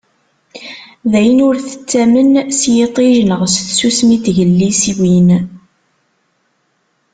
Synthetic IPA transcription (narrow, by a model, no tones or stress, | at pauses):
ðæjənʊɾθə̥t͡sːæmənsjet̪ˤiʒnəʁsθsusmit̪ʝəlːisiwin